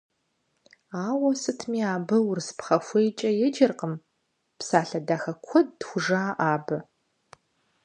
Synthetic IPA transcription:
aːwɐsɨtʰmiːaːbɐwʊrspχɐfʷejt͡ʃʼɐjɛd͡ʒɐrqəm | psaːɬɐdaːxɐkʷʰɔd̚ːxʷʊʐaːʔaːbɐ

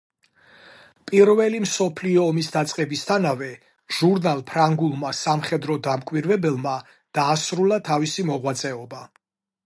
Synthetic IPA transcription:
pʼiɾvɛlimsɔpʰliɔːmisd̪at̪sʼqʼɛbist̪ʰanavɛ | ʒ̥uɾnalˠpʰɾaŋɡulˠmasamχɛd̪ɾɔd̪amkʼwiɾvɛbɛlˠma | d̪̥aːsɾulˠat̪ʰavisimɔʁwat̪sʼɛɔba

